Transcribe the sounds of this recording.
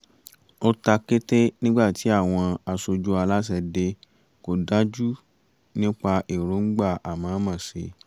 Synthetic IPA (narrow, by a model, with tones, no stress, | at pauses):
o˦ta˧ke˦te˦nĩ˦ɡ͡ba˦˨ti˨˦a˦˨w̃ɔ̃˧a˧so˧d͡ʒu˦a˧la˦s̬ɛ˧de˧ | ko˨da˦d͡ʒu˦ | nĩ˦k͡pa˧ʔi˨ɾo˨˦ŋ̩˦ɡ͡ba˦˨a˨mãː˨˦mã˦˨se˧˦